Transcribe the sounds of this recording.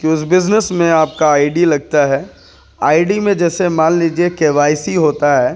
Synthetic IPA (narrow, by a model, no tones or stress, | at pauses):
kiʊs̬bɪznəsmẽaːp̚kaaːɪɖilɐɡ̚t̪aɦɛː | aːɪɖimẽd͡ʒɛːsemãːnliːd͡ʒiekeːʋaːɪsiɦoːt̪aɦɛː